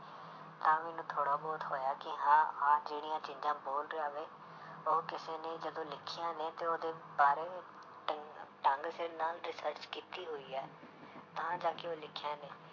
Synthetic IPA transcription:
t̪ãːmeːnũːt̪ʰoːɽaːbɔːt̪ɦoːjaːkɪɦãːaːd͡ʒeːɽijãːt͡ʃĩːd͡ʒãːboːlɾeaːʋeː | oːkɪseːneːd͡ʒəd̪õːlɪkʰːɪjãːneːt̪eːoːd̪eːbaːɾeː | ʈə̃ŋɡsnaːlɾɪsəɾt͡ʃkiːt̪iːɦoːiːɛː | t̪ãːd͡ʒaːkeoːlɪkʰːjãːneː

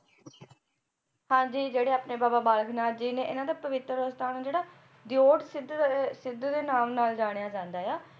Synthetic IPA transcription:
hãːd͡ʒiːd͡ʒeːɽeːaːpneːbaːbaːbaːləkʰnaːd͡ʒiːnẽːʔɪnãːd̪aːpəʋɪt̪ɾəost̪aːnaːd͡ʒeːɽaː | d̪ɪoːʈsɪd̪sɪd̪d̪eːnaːmnaːld͡ʒaːɽ̃ejaːd͡ʒãːnd̪aːjaː

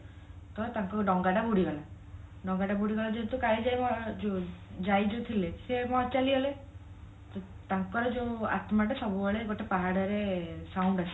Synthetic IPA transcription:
t̪ɔt̪ãŋkɔɖɔŋɡaʈabuɽiɡɔla | ɖɔŋɡaɖabuɽiɡɔlad͡ʒet̪ukaled͡ʒajmɔd͡ʒod͡ʒajd͡ʒot̪ʰilesemɔt͡ʃaliɦele | t̪ɔ | t̪ãŋkɔɾed͡ʒoa̰t̪maʈesɔbuɔɭeɡoʈepaɦaɽɔɾesawɳɖasʰi̥

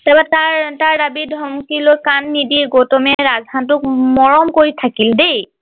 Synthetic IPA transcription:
tabataɹtaɹdabidʱɔmkilojkanːidiɡotɔmɛɹazɦant̬ʊk̚mɔɹɔmkoɹitʰakildej

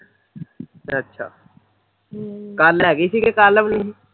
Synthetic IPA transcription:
ɐtːʃʰa̰ː | kaːlːakɪsikekaːləmnɐĩ

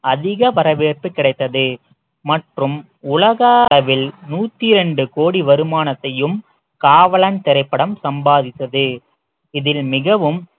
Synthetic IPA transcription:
ɐðɪɣɐpɐɾɐʋeːrpɯkːɪɽɐɪt̪ːɐðɯ | mɐʈrɯm | ʊlɐɣaːɾɐʋɪlnuːt̪ːɪɾɛɳɖɯkoːɽiʋɐɾɯmaːnɐt̪ːɐjɯm | kaːʋɐɭɐnt̪ɛɾɐɪpːɐɽɐmsɐmbaːðɪt̪ːɐðɯ | ɪðɪlmɪɣɐʋɯm

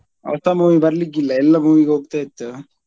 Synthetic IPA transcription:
ɐ̰ʋɐst̪ʰamuːʋibɐɾlikːilːɐɛlːɐmuːʋikeoːɡ̚t̪ait̪ːɨ

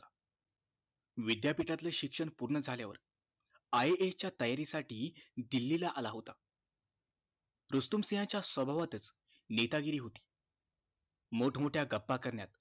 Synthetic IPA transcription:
a | ʋid̪japiʈat̪ləɕikʂəɳpuɾɳəd͡zʱaljaʋə̰ɾ | aeet͡ɕjat̪əjaɾisaʈiːd̪ilːilaʔalaɦot̪a | ɾust̪umsijãt͡ɕjasʋəbʱaʋat̪ət͡s | net̪aɡiɾiːɦot̪i̥ː | moʈʰmoʈʰjaɡəpːakəɾɳjat̪

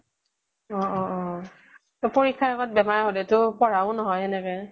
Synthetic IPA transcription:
ɔɔ | tɔpoɹikʰːaaɣɔt̚bɛmaɹɦolɛtʊpɔɹaʊ̃nɔɦɔjɛnɛkɛ

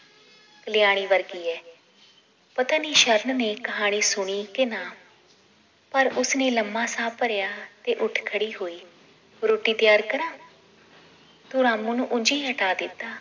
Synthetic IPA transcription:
kəlɪjaːɽ̃iːʋəɾɡiːɛː | pət̪əniːʃəɾnneːkəɦaːɽ̃iːsʊɽ̃iːkɪnaː | pəɾʊsnẽːləmːaːsaːpəɾjaːt̪eːʔʊʈʰkʰəɽiːɦoːiː | ɾoːʈiːt̪ɪjaːɾkəɾãː | t̪uːɾaːmũːnũːʔʊd͡ʒiːɦəʈaːd̪ɪt̪ːaː

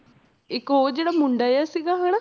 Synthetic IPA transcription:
ɪkoːd͡ʒeːɽaːmʊ̃ɳɖaːeaːsiːɡaːɦaːɽaː

